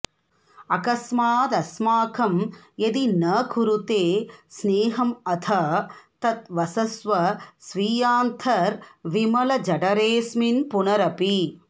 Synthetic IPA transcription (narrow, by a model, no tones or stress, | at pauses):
ɐkɐsmaːt̪ɐsmaːkʰɐmjɐd̪inɐːkʰuɾut̪eːsneːɦɐmɐt̪ʰɐt̪ɐt̪̚ʋɐsɐsʋɐsʋiːjaːnt̪ʰɐɾʋimɐlɐd͡ʒɐɖɐɾeːsminpunɐɾɐpi